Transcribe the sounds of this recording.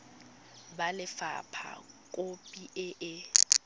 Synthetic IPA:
balɪfa̰pʰa̰kʼopʼiʔɪʔɪ

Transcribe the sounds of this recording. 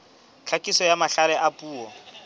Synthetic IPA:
t͡ɬʰakʼisɔjamaɬalɛʔapʼuːɔ

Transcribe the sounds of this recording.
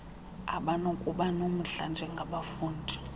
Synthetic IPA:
a̰ɓanokʼuɓanom̩ɬand͡ʒʱɛŋɡʱaɓafuːndʱi̥

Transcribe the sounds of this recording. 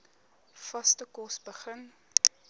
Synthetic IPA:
fɐstəkɔsbəχən

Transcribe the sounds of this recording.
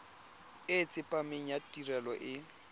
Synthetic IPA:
ɪt͡sʼɪpʼamɪɲ̩jatʼirɛlɔʔɪ

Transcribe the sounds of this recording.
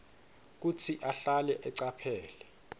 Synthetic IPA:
k̬ut͡sʰiʔaɬalɛʔɛǀapʰɛːlɛ

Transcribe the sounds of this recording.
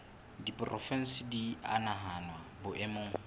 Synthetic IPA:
dipʼrʔɔfɛn̩sɪdia̰naɦanwabʊʔɛmʊː

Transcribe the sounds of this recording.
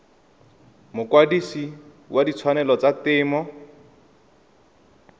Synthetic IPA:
mʊkwadisi | wʔadit͡sʰwanɛlɔt͡satɪːmɔ

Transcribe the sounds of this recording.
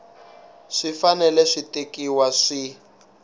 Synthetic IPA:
ʂifanɛlɛʂitekiwaʂi

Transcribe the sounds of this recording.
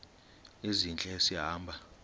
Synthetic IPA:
ezint͡ɬʼɛsiɦaːmbʱa

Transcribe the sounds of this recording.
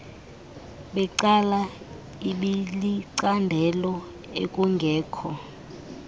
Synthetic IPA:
ɓɛǀala | iɓiliǀandʱɛlɔ | ḛkʼuŋɡʱɛːkʰɔ

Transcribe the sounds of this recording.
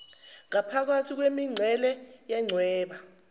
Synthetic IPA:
ŋapʰak̬atʰik̬wemiŋ͡ǀʱɛlɛjɛŋ͡ǀʱwɛːɓa

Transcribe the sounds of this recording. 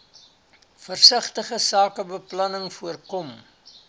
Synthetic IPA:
fərsəχtəχəsɑːkəbəplɐnəŋfuərkɔm

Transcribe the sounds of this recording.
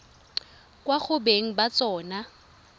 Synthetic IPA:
kʼwaχʊbeŋ̩bat͡sʼɔːna

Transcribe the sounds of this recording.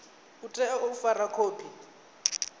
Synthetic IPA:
utʼɛofarakʰoːpʰi

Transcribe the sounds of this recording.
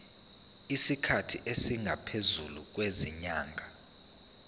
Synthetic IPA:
isikʰatʰiʔesiŋɡʱapʰezuluk̬weziɲaːŋʱa

